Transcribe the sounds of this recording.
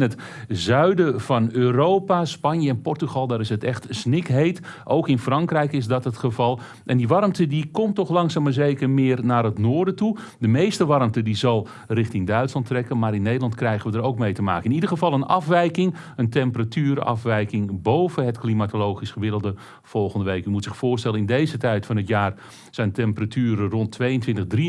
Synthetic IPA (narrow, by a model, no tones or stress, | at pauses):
nətzœɥdəv̥ɑnøːrowpaspɑnjəɛnpɔrtyχɑlˠdaːɾɪsətɛχtsnɪkɦejtʔowkɪnfrɑŋkrɛjkɪzdɑtɦətχəvɑlˠ | ʔɛndiʋɑrmtədikɔmtɔχlɑŋsaːməɹzejkərmɪːrnaːɾɦətnoːɹdətu | dəmejstəʋɑrmtədizɑlˠ | rɪχtɪŋdœɥtslɑntrɛkənmaːɾɪnːejdəlˠɑntkrɛjχənʋədəɾowk̚mejtəma̰ːkəɪnidərχəvɑlˠənɑfʋɛjkɪŋ | əntɛmpəratyːɾɑ̰fʋɛjkɪŋbowvəɦətklimatolowχisχəʋɪdəlˠdə | v̥ɔlˠχəndəʋejkymutsɪxfʊːrstɛlənɪndejzətɛjtfɑnɦətjaːr | z̥ɛjntɛmpəratʰyːɾərɔntʰːʋejəntʋɪntəχdri